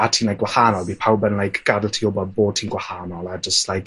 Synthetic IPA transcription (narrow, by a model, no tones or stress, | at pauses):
atʰiːnlajkɡwahanɔlˠbiːpʰawbɛnlajkʰɡ̥adəlˠtʰiɔbɔd̚boːd̚tʰiːnɡwahaːnɔlˠad͡ʒəstlajk